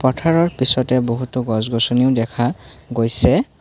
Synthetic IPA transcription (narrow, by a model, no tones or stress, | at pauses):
pɔtʰaɹɔɹpisɔtɛboɦutʊɡɔzɡɔsɔniʊdɛkʰaɡojsɛ